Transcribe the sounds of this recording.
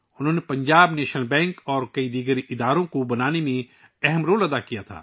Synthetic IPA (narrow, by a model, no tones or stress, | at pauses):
ʊnɦõːnepɐ̃ɲd͡ʒaːbneːʃnəlbɛ̃ːŋkɔːɾkɐid̪iːɡəɾʔɪd̪aːɾõkobɐnaːnemẽ | ɛɦɛmɾoːlɐd̪akijat̪ʰa̰ː